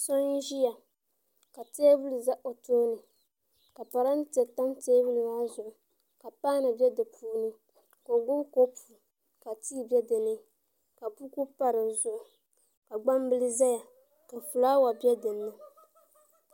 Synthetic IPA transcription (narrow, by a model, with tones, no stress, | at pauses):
sɔ˦ni˦ʒi˦ja˨ | ka˨teː˦vu˦li˨za˦ʔo˨toː˦nɨ˨ | ka˨pa˨ɾa˦n˦tɛ˨ta˦mteː˦vu˦lɨ˨ŋa˦zʊ˨ʔʊ˨ | ka˨paː˦nɨ˨bɛ˦dɨ˨pʰuː˦nɨ˦ | ko˨ɡʊ˦ko˦pʰu˨ | ka˨tiː˦˨bʲɛ˦dɨ˨nɨ˦ | ka˨pu˦ku˦pa˦ɾɨ˨zʊ˨ʔʊ˨ | ka˨ɡ͡ba˦m˦bɨ˦lɨ˦za˦ja˨ | ka˨fu˨laː˦wa˨bjɛ˦dɨ˨nːɨ˦